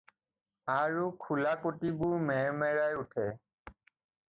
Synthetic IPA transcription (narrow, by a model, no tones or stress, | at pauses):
aɹukʰulakotibʊɹmɛɹmɛɹajutʰɛ